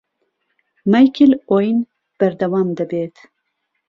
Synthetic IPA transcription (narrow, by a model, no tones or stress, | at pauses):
majkʰilojn | b̥ɐɾd̪ɐwɑːmd̪ɐbeːt̪